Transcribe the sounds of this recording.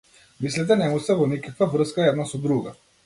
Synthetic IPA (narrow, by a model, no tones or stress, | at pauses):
mislit̪̬ɛnɛmusɛvɔnikakvavr̩skaɛd̪nasɔd̪ɾuɡa